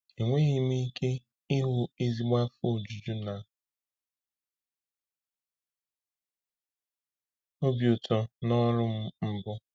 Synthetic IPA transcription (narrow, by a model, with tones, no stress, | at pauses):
i˨ŋʷe˦ɣɪ˦mi˦ke˦ | i˦ɦu˦e˦zi˨ɡ͡ba˦fo˨d͡ʒu˨d͡ʒu˦na˨ | o˦bjo˨tʰo˨nɔ˦ɾʊ˦m̩˦m̩˦bʊ˦